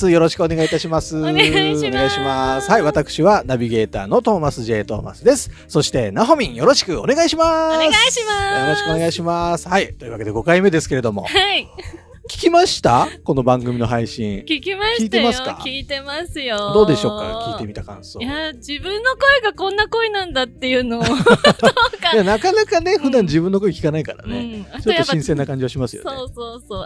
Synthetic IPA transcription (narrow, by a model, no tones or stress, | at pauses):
sɨjo̞ɾo̞ɕi̥kɯ̟o̞neait̪aɕimasɨone̞ɡaiɕimasɨ̥haiβat̪akɯ̟̥ɕiβanabʲiɡe̞ːt̪a̰ːno̞t̪o̞ːmasɨʑe̞ːt̪o̞̰ːma̰sɨd̪e̞sɨ̥ | so̞ɕi̥t̪e̞naɦo̞mʲĩɰ̃jo̞ɾo̞ɕi̥kɯ̟o̞ne̞ɡaiɕimasjoɾo̞ɕi̥kɯo̞ne̞ɡaiɕimasɨ̥hait̪oiɯ̟βake̞d̪e̞ɡo̞kaime̞d̪e̞sɨ̥ke̞ɾe̞d̪o̞mo̞̰ | kʲi̥kʲimaɕi̥t̪ako̞no̞bãŋɡɯ̟mʲino̞ɦaiɕḭ̃kʲikʲimakʲiːt̪e̞masɨka̰kʲiːt̪e̞masɨjod̪o̞ːd̪e̞ɕo̞ːkkːa̰kʲiːt̪e̞mʲit̪akã̰ɰ̃sojad͡ʑibɯ̟̃nːo̞ko̞eɡakõ̞nːako̞enãnd̪at̪ːe̞jɯ̟no | okajanakanakane̞ɸɯ̟d̪ãɲ̟d͡ʑibɯ̟̃nːo̞ko̞ekʲi̥kanaikaɾa̰ne̞t͡ɕott̪ːoɕĩse̞nːakãɲ̟d͡ʑiaɕimasɨj̰oeoːoː